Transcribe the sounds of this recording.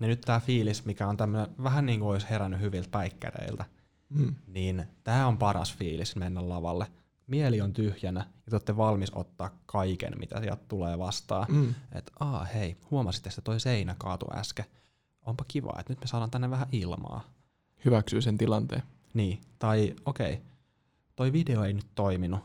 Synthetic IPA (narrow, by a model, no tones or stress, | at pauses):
nenyt̪t̪æːfiːlismikæont̪æmːøneʋæɦænniːŋkuoisheɾænːyhyʋilt̪̚pæikːæ̰rḛilt̪æ | niːnt̪æːompɑɾɑ̰sfiːlismenːællɑʋɑ̰lːe | mieliont̪yhjænæjɑt̪ot̪ːeʋɑlmiso̰t̪ːɑːkkʰɑikḛnmʔḭt̪æ̰siɛ̰lt̪t̪uleːʋɑst̪ɑ̰ːnḛt̪ʔɑːheihuomɑsi̥t̪ːest̪ːet̪oiseinækɑːt̪ṵʔæ̰ske | ʔompɑkiʋɑ̰ːḛt̪nyt̪mesɑːɾɑːnt̪ænːeʋæhæʔilmɑ̰ː | hyʋæksyːsent̪ilɑnt̪ḛː | niːt̪ɑiokḛi | t̪oiʋideoeinyt̪toiminu